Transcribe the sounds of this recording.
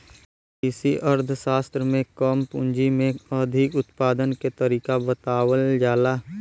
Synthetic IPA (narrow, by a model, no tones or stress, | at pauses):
ɪsiʔəɾd̪ʱʃaːst̪ɾəmẽkəmpʊ̃nd͡ʒimẽəd̪ʱɪkʊt̪paːd̪ənket̪əɾiːkabət̪aːwəld͡ʒaːlaː